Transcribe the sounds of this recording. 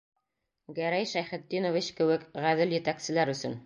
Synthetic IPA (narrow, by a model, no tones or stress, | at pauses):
ɡæɾæjʃæjχɘ̆d̪ːinovit͡ɕkɘ̆wɘkʁæðɘljɘ̆t̪æksɘ̆læɾɵ̆sɵ̰n